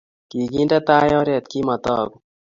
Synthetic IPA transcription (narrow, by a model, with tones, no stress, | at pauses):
ki˨ɡi˦ndat̪aː˦jɔ˦ɾɛ˨t̪̚ki˦ma˨t̪ɔ˦ɡu